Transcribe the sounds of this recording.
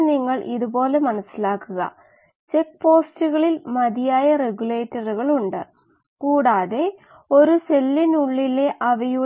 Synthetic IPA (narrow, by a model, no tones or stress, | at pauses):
niŋːɐɭʔiðubo̞ːle̞mɐnɐsːilaːkːuɣɐ̰ | t͡ɕe̞k̚po̞ːstuɣɐɭilmɐðijaːjɐre̞ɡule̞ːtːɐruɣɐɭuɳɖɨ̰ | kuːɽaːðe̞ | o̞ɾuse̞lːinuɭːile̞ʔɐʋɐju